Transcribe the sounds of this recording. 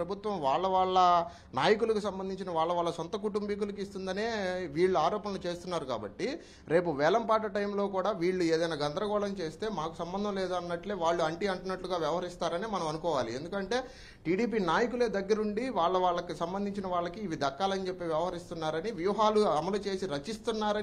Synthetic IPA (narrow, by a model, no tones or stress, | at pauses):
ɾɐbʱut̪ʋɐmʋaːɭːɐʋaːɭːɐ | naːjɐkulɐkusɐmbɐnd̪iɲt͡ʃinɐʋaːɭːɐʋaːɭːɐsɔnt̪ɐkuʈumbik̬ulɐk̬ist̪und̪ɐneːʋiːɭːuaːɾɔːpɐnɐlut͡ʃe̞ːst̪unːaːɾuka̰ːbɐ̰ʈːi | ɾe̞ːp̬uʋɛːlɐmpaːʈɐʈɐjmlo̞ːkuːɽaːʋiːɭːue̞ːd̪ɐjnaːɡɐnd̪ɾɐɡɔːɭɐmt͡ʃe̞ːst̪e̞ːmaːku̥sɐmbɐnd̪ʱɐmleːd̪uɐnːɐʈleːʋaːɭːuɐɳʈiɐɳʈunɐʈluɡaːʋjɛʋɐɦɐɾist̪aːɾɐnimɐnɐmɐnukɔːʋaːliend̪ukɐɳʈe̞ː | ʈiːɽiːp̬iːnaːjɐkule̞ːd̪ɐɡːɐɾuɳɖiʋaːɭːɐʋaːɭːɐkusɐmbɐnd̪iɲt͡ʃinɐʋaːɭːɐkiːʋid̪ɐkːaːlɐnit͡ʃe̞pːeːʋjɛʋɐɦɐɾist̪unːaːɾɐniʋjuːɦaːluɐmɐlut͡ʃe̞ːsiɾɐt͡ʃist̪unːaːɾɐ